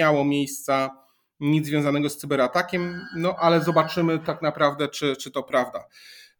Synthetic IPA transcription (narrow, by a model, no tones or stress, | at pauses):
awɔmʲjejst̪sa | ɲid̪zvjɔ̃zanɛɡɔst̪sɨbɛɾat̪akʲɛmnɔʔalɛzɔbat͡ʂɘmɘt̪aknapɾavd̪ɛt͡ʂɘt͡ʂɘt̪ɔpɾavd̪a̰